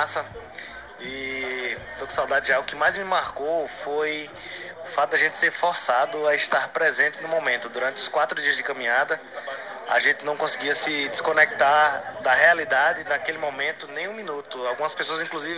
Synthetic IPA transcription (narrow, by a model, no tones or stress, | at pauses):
sɐ | i | d̪oksawd̪ad̪ɪʒaʊkɪmajzmɪmaɾkowfoj | ʊfat̪ʊd̪aʒẽnt̪ɪ̥seɾfɔɾsad̪ʊaɪʃt̪aɾpɾɛzẽnt̪ɪnʊmõmẽnt̪ʊd̪uɾɐ̃nt̪ɪʊskwat̪ɾʊd̪iɐzd̪ɪkɐ̃mĩɲad̪ɐ | a̰ʒẽnt̪ɪnɐ̃w̃kõsiɡiɐsɪd̪iskõnɛk̚t̪ad̪ɐhealid̪ad̪ɪnakelɪmõmẽnt̪ʊnẽj̃ũmĩnut̪ʊawɡũmɐspesoɐzĩkluzivɪ